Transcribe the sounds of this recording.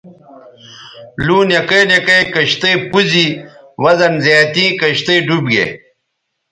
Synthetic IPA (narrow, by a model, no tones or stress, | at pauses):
luːnjɐkenjekɐjkɐɕt̪ejpuzi | wɐzɐnzaːt̪ĩːkɐɕt̪ejɖubɡḛ